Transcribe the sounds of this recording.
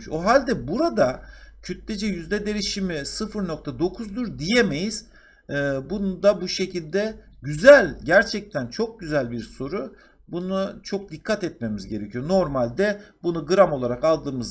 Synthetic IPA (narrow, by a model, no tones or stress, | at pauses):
ʃo̞ɦalʲd̪ɛbuɾad̪acʰyt̪lʲed͡ʒɛjyzd̪ɛd̪e̞ɾiʃimisɯfɯɾno̞kt̪ʰad̪o̞kʰuzd̪uɾd̪ijeme̞jiz̥ː | bunud̪abuʃe̞cʰilʲd̪ɛɟyzælʲɟæɾt͡ʃʰɛc̚t̪ʰænt͡ʃʰo̞k̚ɟyzælʲbiɾso̞ɾu | bunut͡ʃʰo̞k̚d̪ikʰːat̪ɛt̪̚me̞mizɟe̞ɾecʰijo̞no̞ɾmalʲd̪ɛbunuɡɯɾamo̞lˠaɾakalˠd̪ɯːmɯz